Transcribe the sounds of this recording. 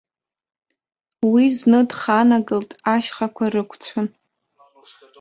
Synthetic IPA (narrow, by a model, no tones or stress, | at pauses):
wiznɨdχanaɡɨltʼaʃχakʷʰarɨkʷʰt͡sʷʰan